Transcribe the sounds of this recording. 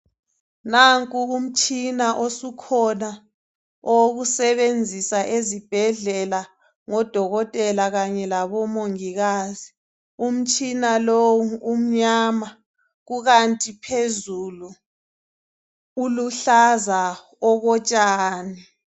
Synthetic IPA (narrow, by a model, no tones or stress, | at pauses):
naŋkʼuum̩t͡ʃʼinaʔosukʰɔna | ɔwɣusɛβend͡zʱisaʔezib̥ʱɛɮɛla | ŋɔd̥ʱɔɣɔtʼɛlaɣaɲɛlaβɔmoŋiɣaːzi | um̩t͡ʃʼinalowuum̩ɲaːma | ɣuɣantʼipʰezulu | uluɬaza | ɔɣɔt͡ʃʼaːni